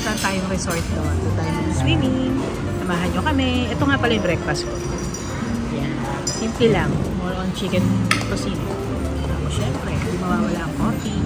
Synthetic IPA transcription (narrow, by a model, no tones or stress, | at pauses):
t̪ant̪aːjoŋɾɛsoɹt̪̚nɐʔɐnʊt̪aːjɪnɐswiːmɪŋ | sɐmaːɦɐnɲokɐmɛʔɛt̪oŋapɐlajʊbɾɛkfɐsko | jan | sɪnt̪ɪlaŋmoloʔɐnt͡ʃikɛnt̪osinɪ | t̪aːposɛmpɾɛd̪imɐwawɐlaːʔɐŋkoɾt̪i